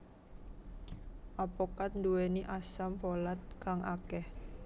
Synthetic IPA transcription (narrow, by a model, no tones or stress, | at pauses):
ʔapokat̪̚nduweniʔasampolat̪̚kaŋʔa̰kɛh